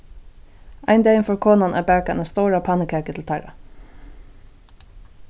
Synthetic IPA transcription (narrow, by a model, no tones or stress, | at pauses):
a̰ɪnd̪ɛɪɪnfɔɹkʰoːnanʔæ̰ːbæɹkaɪnast̪oʊɹapʰɑnɪkʰæːkət̪ʰɪlt̪ʰaɪɹa̰